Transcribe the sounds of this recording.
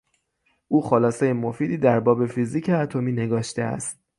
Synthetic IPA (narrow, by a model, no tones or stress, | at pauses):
ʔuːxolɒːsejemo̞fiːd̪iːd̪æɾbɒːbe̞fiziːcʰeæt̪ʰomiːneɡɒːʃt̪eæ̰st̪̚